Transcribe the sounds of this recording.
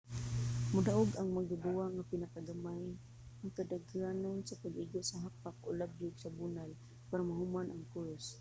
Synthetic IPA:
mʊdaʔʊɡʔaŋmaɡabuaŋapɪnakaɡamaj | aŋkadaɡanonsapaɡʔɪɡosaɦapakʔolabjʊɡsabunal | paɾamaɦʊmanʔaŋkuɾs

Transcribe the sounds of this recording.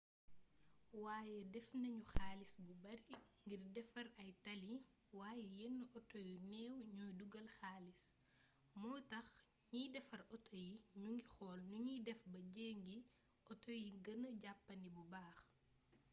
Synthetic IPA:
waːjɛdɛfnɐɲuxaːlisbubɐɾiŋɡirdɛfɐɾɐjtɐli | waːjɛjɛnːuʔɔtɔjunɛːwɲujduɡɐlxaːlis | mɔːtɐx | ɲiːdɛfɐɾɔtɔjiɲuŋɡixɔːlnuɲidɛfbɐɟeːŋɡi | ʔɔtɔjiɡɐnəɟapːɐnibubaːx

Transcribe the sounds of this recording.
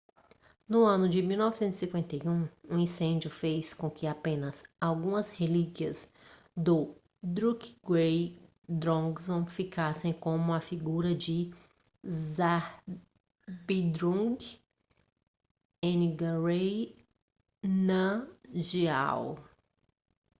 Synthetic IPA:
nʊɐ̃nʊd͡ʒɪmiwnɔvisẽnzi̥sĩkwẽnt̪ejũũĩsẽd͡ʒjʊfejskõkɪapẽnɐsawɡũmɐshelikiɐs | d̪ʊ | d̪ɾukɡej | d̪ɾõɡsõfikasẽj̃kõmʊ̃ɐfiɡuɾɐd͡ʒɪ | zaɾ | bid̪ɾũɡ | ẽniɡɐɾej | nɐʒia̰w

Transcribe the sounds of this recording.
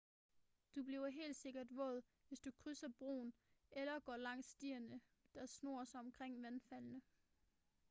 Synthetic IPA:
d̥ub̥liːʊɐɦe̝̰ːld̥se̝ɡ̥ɐd̥ʋɔ̰̽ðˠ | ʋe̝sd̥ukʰʁysɐb̥ʁo̝̰ːn | elɐɡ̥ɒ̰ːlɑ̈ŋ̰sːd̥iɐnə | d̥ɑ̈sno̝̰ːɐsɑɒ̽mkʰʁeŋ̰ʋænfælnə

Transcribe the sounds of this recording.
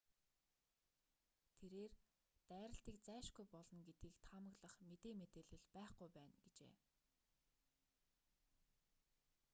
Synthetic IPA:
t̪ʰeɾeːr | t̪æːɾə̆ɬt̪iːkt͡sæːʃɡujpɔɮɞ̆nɡet̪ɡiːkt̪ʰamə̆ɣɮə̆χmet̪eːmet̪eːɮɘ̆ɮpæːχɡujpæːnɡet͡ɕḛː

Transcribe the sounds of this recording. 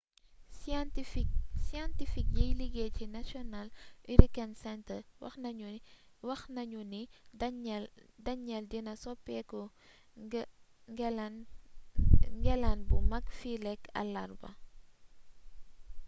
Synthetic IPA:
tsiãntifik̚jɐjliɡeːcinasiɔnalʔiɾikansɛntəwɐ̰xnu | wɐxnɐɲuni | dɐɲɛldinɐsɔpːɛkɔ | ɡn | ŋɡɛlanbumɐkfilɛkɐ̰lːɐrbɐ̰

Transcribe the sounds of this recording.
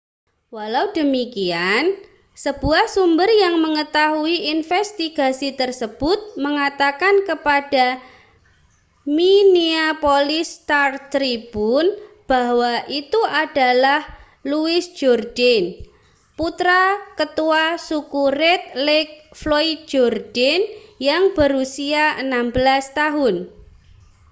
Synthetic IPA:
walaudəmikian | səb̥uahsumbərjaŋməŋət̪aɦuiinfɛst̪iɡ̥a̤sit̪ərsəb̥ʊt̪̚məŋat̪akankəpad̥a | miniapolɪst̪art̪ɾib̥un | b̥a̤waʔit̪uad̥a̤lah | luɪsd͡ʒ̥ɔrd̥ɛn | put̪ɾakət̪uasukurɛt̪̚lɪk̚floit̪̚d͡ʒɔrd̥ɛnjaŋb̥əɾusiaənambəlast̪aɦʊn

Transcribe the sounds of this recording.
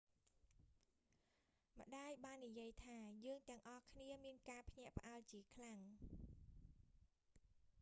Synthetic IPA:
mə̆ɗaːjɓaːnːijiəjt̪ʰaːjəːŋt̪ɛ̆əŋʔɑhkʰniəmiənkaːpʰɲɛ̆əʔpə̆ʔalt͡ɕiəkʰlaŋ

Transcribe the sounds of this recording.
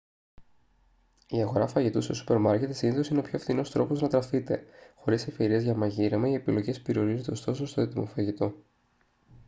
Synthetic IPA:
iɐɣo̞ɾɐfɐʝit̪ust̪osu̥pe̞ɾmɐɾce̞t̪siniθo̞sineo̞pçoɐfθino̞st̪ɾo̞poznɐt̪ɾɐfit̪e̞̰xo̞ɾise̞fçe̞ɾiɐzʝɐmɐʝiɾɐmɐie̞pilo̞ʝe̞spe̞ɾio̞ɾizod̪est̪o̞sost̪o̞et̪imo̞fɐʝit̪o̞

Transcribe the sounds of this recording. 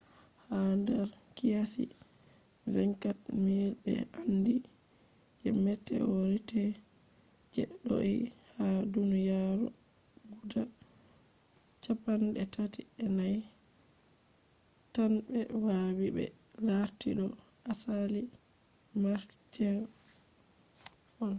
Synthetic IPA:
handɛɾkijasḭ | ɾɛŋkatniɾɓɛ̰andi | ʔɛmɛtːɛ̰woɾitɛ | d͡ʒɛɗːo̰ḭhadunjaɾɔ̰ | ɡuda | t͡ʃapːanɗɛtʰatiɛnaj | tanbɛwawibɛ̰laɾtiɗɔʔasali | maɾ | d͡ʒɛɾ | ʔɔn

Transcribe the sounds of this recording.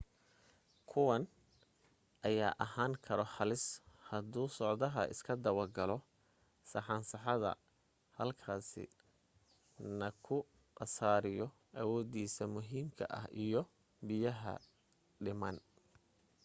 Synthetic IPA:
kʰʊwɐn | ʔɐjaːʔɐɦaːŋkʰɐɾɔħɑlɪshɐd̪uːsɔʕd̪ɐɦɐʔɪ̰skʰɐd̪ɐwɐrɡɐlɔ | sɐħɑːnsɐħɑðɐ̰ | hɐlkʰaːsɪ̰ | nɐkʰʊ | qɐsaːɾɪjɔ | ʔɐwɔːdiːsɐmʊɦiːmkʰɐ̰ʔɐ̰hʔijɔ | bɪjɐɦɐ̰ | ɖɪmɐn

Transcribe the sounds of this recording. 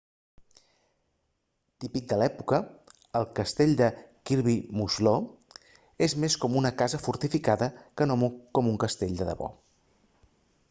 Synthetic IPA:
t̪ipik̚d̪əlɛpukəː | lˠkəst̪eʎʲd̪əkiɾβimuʒlo | ezmeskɔmunəkazəfuɾt̪ifikaðəkənomukɔmuŋkəst̪eʎʲd̪əðə̰βɔ̰

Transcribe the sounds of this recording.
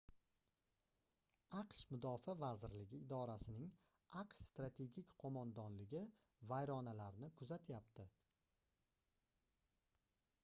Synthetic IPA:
ɑqʃmʊd̪ɒfavazɪɾlɪɡʲɪɪd̪ɒɾasɪnɪŋ | ɑqʃst̪ɾat̪ʰe̞ɡʲikʲqʰomand̪ɒnlɪɡʲɪ | vajɾɒnalaɾɪnɪkʰʊzat̪ʰjap̚t̪ʰɪ

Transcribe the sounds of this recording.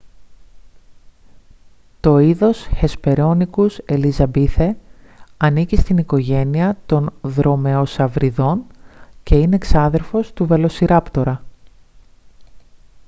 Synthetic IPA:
t̪o̞iðo̞sçe̞spe̞ɾo̞nikuse̞lizɐbiθe | ɐnicist̪iniko̞ʝe̞niɐt̪o̞nðɾo̞me̞o̞sɐvɾiðo̞nce̞ine̞ksɐðe̞ɾfo̞st̪uve̞lo̞siɾɐpt̪o̞ɾɐ

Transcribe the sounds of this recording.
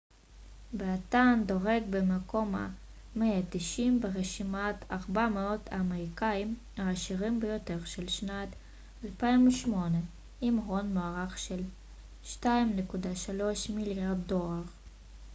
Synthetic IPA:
beat̪ando̞ʁeɡ̚bemeko̞ma̰ | meatiʃimbeʁeʃimataʁbameo̞tʰaːmeʁikaim | aːʃiʁimbejo̞te̞ʁʃelʃnat | alpaimuʃmo̞ne | imʁo̞nmoaʁaχʃel | ʃtaimnekudaʃalo̞ʃmiljaʁdːo̞laʁ

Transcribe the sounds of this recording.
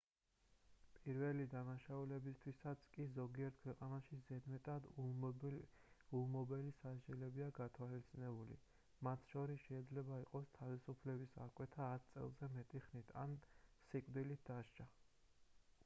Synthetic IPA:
pʼiɾvɛlid̪anaʃaulɛbist̪ʰwisat̪sʰkʼizɔɡiɛɾt̪̚kʰwɛqʼanaʃizɛd̪mɛt̪ʼad̪ | ulˠmɔbɛlisaʃd͡ʒɛlɛbiaɡat̪ʰwalit̪sʰʼinɛbulḭ | mat̪ʰʃɔɾisʃɛid̪zlɛbaiqʼɔst̪ʰavisupʰlɛbisa̰kʼwɛt̪ʰaːt̪̚ʰt̪sʼɛ̰lˠzɛmɛt̪ʼiχnit̪ʰa̰nsikʼd̪ilit̪̚ʰd̪aʃt͡ʃʰa

